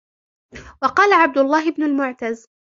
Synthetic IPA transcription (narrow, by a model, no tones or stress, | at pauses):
wɑqɑːlaʕab̚d̪ʊlˤːɑːɦɪbnʊlmʊʕt̪az